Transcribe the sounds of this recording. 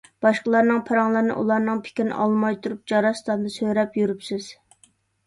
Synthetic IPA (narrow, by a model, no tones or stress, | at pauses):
b̥ɑʃqəlˠɑɾnɨŋpʰɑɾɑŋlˠɨɾnɨ̰ʔṵlˠɑɾnɨŋpʰɪ̥kʲɪɾnɨ̰ʔɑlˠmɑjt̪ʰuɾup̚d͡ʒɑɾɑst̪ɑnd̪ɨsøɾɛpjyɾypsɪz̥